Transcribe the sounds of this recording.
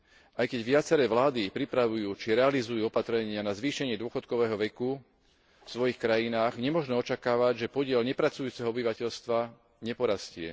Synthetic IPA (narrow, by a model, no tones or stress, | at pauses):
ʔajkɛɟʋɪat͡sɛɾɛːʋlaːd̪ipɾipɾaʋujuːt͡ʃiɾɛalizujuːɔpat̪ɾɛɲɪanazʋiːʃɛɲɪɛd̪ʊɔxɔt̪kɔʋɛːɦɔʋɛku | fsʋɔjixkɾajinaːɣɲɛmʊɔʒnɛɔt͡ʃakaːʋaɟʒɛpɔɟɪɛlɲɛpɾat͡sujuːt͡sɛɦɔɔbiʋacɛʎst̪ʋa | ɲɛpɔɾascɪɛ̰